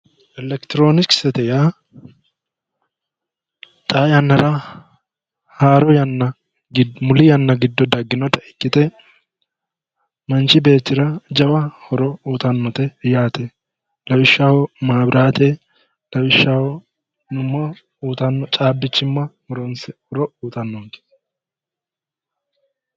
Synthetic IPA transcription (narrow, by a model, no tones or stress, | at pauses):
ʔɛlɛkt̪ɪɾo̞ːnɪksɛt̪ɛjaː | t̪ʼaːjɐnːɐɾɐ | haːɾɔjɐnːɐ | ɡɪmʊlɪjɐnːɐɡɪd̪ːɔd̪ɐɡːɪnɔt̪ɐʔɪkːɪt̪ɛ | mɐnt͡ʃɪbe̞ːt̪ːɪɾɐd͡ʒɐbɐhɔɾɔuːt̪ɐnːɔt̪ɛjaːt̪ɛ | lɐwɪʃːaːwɔmaːbɾaːt̪eː | lɐwɪʃːaːwɔ | nʊmːɐ | uːt̪ɐnːɔt͡ʃʼaːbːɪt͡ʃːɪmːɐmʊɾɔnsɛhɔɾɔuːt̪ʼɐnːɔk̪e̥